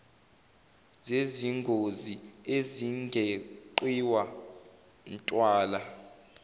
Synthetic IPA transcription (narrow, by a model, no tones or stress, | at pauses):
zeziŋɡʱozieziŋɡʱeǃwiwa | ntʼwaːla